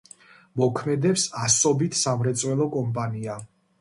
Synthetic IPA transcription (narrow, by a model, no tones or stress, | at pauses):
mɔkʰmɛd̪ɛpsasɔbit̪ʰsamɾɛt̪sʼwɛlˠɔkʼɔmpʼania